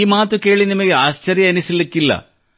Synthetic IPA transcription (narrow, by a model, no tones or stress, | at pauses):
iːmaːt̪ːuke̞ːɭinimɐɣeaːɕt͡ɕɐrjɐɐnisilekːilːɐ̰